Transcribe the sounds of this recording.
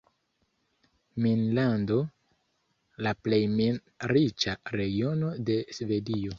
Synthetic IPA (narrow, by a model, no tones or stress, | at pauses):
minlando̞ | laple̞jmin | ɾit͡ʃaɾe̞ɡio̞no̞de̞sve̞dio̞